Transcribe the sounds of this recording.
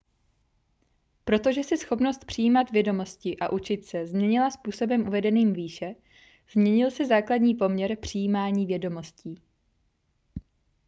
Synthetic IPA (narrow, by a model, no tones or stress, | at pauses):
pɾo̞t̪o̞ʒɛsɛsxo̞pno̞st̪̚pr̥ɪjiːmat̪vjɛdo̞mo̞scɪʔaʔut͡ʃɪt̪sɛzmɲɛɲɪlaspuːso̞bɛmʔuvɛdɛniːmviːʃɛ | z̥mɲɛɲɪlsɛzaːkladɲiːpo̞mɲɛɾpr̝̥ɪjiːmaːɲiːvjɛdo̞mo̞sciː